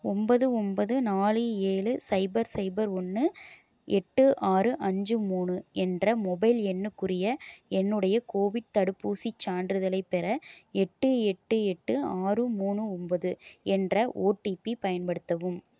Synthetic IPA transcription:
ɔmbɐðɯɔmbɐðɯnaːlɯeːɭɯsɐɪbɐɾsɐɪbɐɾɔnːɯ | ɛʈːɯʔaːrɯʔɐɲd͡ʒɯmuːnɯɛndrɐmɔbɐɪlɛnːɯkːɯrɪjɐɛnːɯɽɐjɐkoːʋɪɖ̚t̪ɐɽɯpːuːsit͡ʃːaːnɖɾɯðɐlɐɪpːɛɾɐɛʈːɯɛʈːɯɛʈːɯaːrɯmuːɳɯɔmbɐðɯɛndrɐʔo̰ːʈːipipɐjɐnpɐɽɯt̪ːɐʋɯm

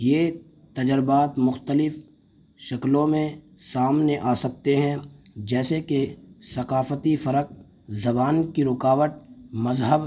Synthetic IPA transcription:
jeː | t̪ɐd͡ʒəɾbaːt̪mʊxt̪əlɪf | ʃɐklõmẽ | saːmneʔaːsɐk̚t̪eɦɛ̃d͡ʒɛːsekesɐqaːfət̪ifɐɾəq̚ | zɐbaːnkiɾʊkaːʋət̪̚mɐzɦəb

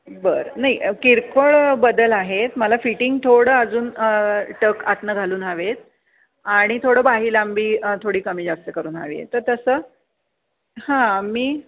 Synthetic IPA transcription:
bəɾnaiʔkiɾkoɭbəd̪əlaɦet̪məlafiʈiŋɡ̚t̪ʰoɽəəd͡zuːnʈəkat̪nəɡʱaluːnaʋet̪̚ | aɽ̃it̪ʰoɽəːbaɦiːlambiːt̪ʰoɽiːkəmiːd͡zast̪əkəɾuːna̰ʋḭḛt̪əɾt̪əsəː | hãamiː

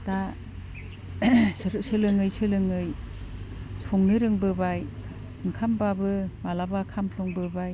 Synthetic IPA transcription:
ta | sɯlɯŋɯjsɯlɯŋɯj | sʰuŋnɯɾɯŋbɯbaj | ɯŋkʰambabɯmalabakʰampʰlɔŋbɯbaj

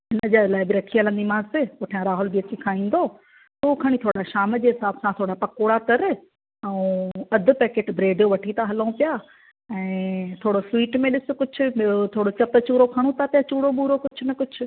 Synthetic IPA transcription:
ɦɪnəd͡ʑalaːɪbɪɾɐkʰiələ̃nd̪imaːzt̪ekoːʈʰjãɾaːɦʊlbiɐt͡ɕikʰaːĩːn̆d̪oː | t̪oːkʰaɽ̃it̪ʰoːɽaʃaːməd͡ʑeːɦɪsaːbsãt̪ʰoːɽapɐkoːɽat̪ɐɾ | ɛ̃ũɐd̪ʱʊ̆pɛːkeːʈbɾeːɖjoʋɐʈʰit̪aɦɐləũpɪjaː | ɛ̃ːt̪ʰoːɽoswiːʈmẽɗɪsʊ̆kʊd͡ʑʱʰʊ̆t̪ʰoːɽot͡ɕɐt̪ət͡ɕuːɾokʰaɽ̃õt̪ʰat̪jat͡ɕuːɽoɓuːɾokʊt͡ɕʰʊnɐkʊd͡ʑʱʰʊ̆

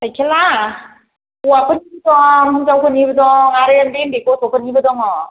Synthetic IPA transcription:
sajkʰela | uwapʰɯnibɯdɔŋɯŋzawkʰɯnibɯdɔŋaɾɯandenbekɔsʰɔpʰɯnibɯdɔŋɔ

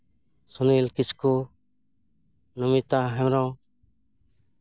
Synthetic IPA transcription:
sunilkisku | numit̪aɦɛmɾɔ

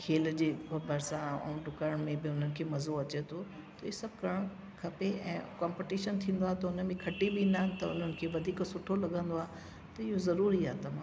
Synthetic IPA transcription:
kʰeːld͡ʑeːbʱɐɾsãṵ̃ːɖʊkaɾɽ̃mẽbɪʊn̤ənɪ̆kʰeːmɐzoɐt͡ɕet̪ʰo | t̪ɐɪosɐb̚ʱkɐɾəɽ̃ | kʰɐpeɛ̰̃ːkãːmpɪʈiːʃənt̪ʰĩːn̆d̪oaːɦet̪ɐʊnəmẽkʰɐʈibiːnd̪aːɦnɪ̆t̪ɐʊ̰n̤ənɪ̆kʰeːʋɐd̪ʱiːksʊʈʰolɐɠə̃nd̪oaː | t̪ɐɪɦozɐɾuːɾiaːet̪ɐm̤ãː

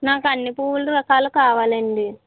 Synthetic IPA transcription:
naːkɐnːipuːʋuluɾɐkaːlukaːʋaːleɳɖi

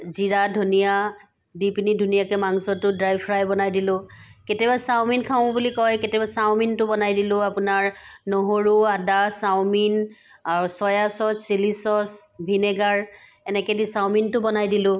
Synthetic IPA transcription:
ziɹadʱunija | dipinidʱunijakɛmaŋsɔtʊdɹajbpʰɹajbɔnajdilʊ̃ketɛbasawminkʰaʊ̃bulikɔjketɛbasaw̃mintʊbɔnajdilʊ̃apʊnaɹnoɦoɹuadasawmin | aɹusɔjasɔsilisɔsbʱinɛɡaɹ | ɛnɛkɛdisawmintʊbɔnajdilʊ̃

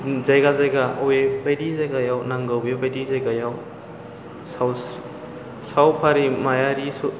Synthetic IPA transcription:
zajɡazajɡaowebajdizajɡajawnaŋɡawbebajdizajɡajaw | saw | sawpʰaɾimajaɾisu

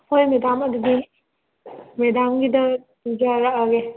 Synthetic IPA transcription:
pʰojmedamɐdudi | medamɡidɐ | d͡ʒaɾaʔaɡe

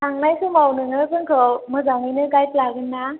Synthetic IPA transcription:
taŋnajsʰɯmawnɯŋɯkʰɯŋkʰəwmɯzaŋɯjnɯɡajt̪laɡɯnːa

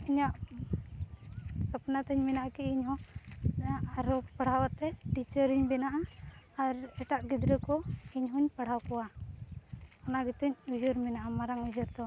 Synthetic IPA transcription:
iɲaʔ | səpnat̪əɲminaʔakiiɲɦɔ̃ | aɾɔpəɽ̤awat̪ɛʈit͡ʃəɾiɲbɛnaʔaː | ɾɛʈaʔɡid̪ɾəkɔiɲɦɔɲpəɽ̤awkɔwa | ɔnaɡit̪uɲud͡ʒəɾminaʔamaɾaŋud͡ʒəɾd̪ɔ

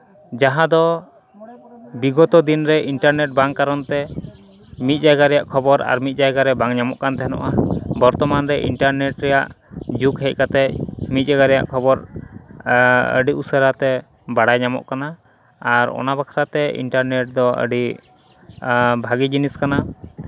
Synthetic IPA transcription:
d͡ʒaɦãd̪ɔ | biɡɔt̪ɔd̪inɾɛʔiɳʈaɾnɛʈ̚baŋkaɾɔnt̪ɛ | mit̪̚ˀd͡ʒajɡaɾɛjaʔkʰɔbɔɾa̰ɾmit̪̚ˀd͡ʒajɡaɾɛbaŋɲamɔʔkant̪ɛɦɛnɔ̰ʔabɔɾt̪ɔmanɾɛʔḭɳʈaɾnɛʈɾɛja̰ʔd͡ʒukɦɛc̚ˀkat̪ɛmit̪̚ˀd͡ʒaɡaɾɛja̰ʔkʰɔbɔɾ | ə̰ɖiʔusəɾat̪ɛ | baɽajɲamɔ̰ʔkanaː | ɾɔ̰nabakʰaɾat̪ɛḭɳʈaɾnɛʈ̚d̪ɔə̰ɖi | bʱaɡid͡ʒiniskana

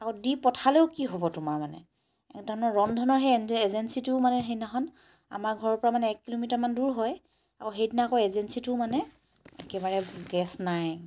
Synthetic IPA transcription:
akɔdipɔtʰaleʊkiɦobɔtʊmaɹmanɛ̰ | ɛ̰kdʱɔɹɔnɔɹɔndʱɔnɔɹɦeezensitʊmanɛɦejnaxɔn | a̰maɹɡʱɔɹɔɹpɔɹamanɛːkːilomitaɹmanduɹɦɔj | akɔɦejtnakɔjezensitʊmanɛ | ḛkɛbaɹɛɡɛsnaj

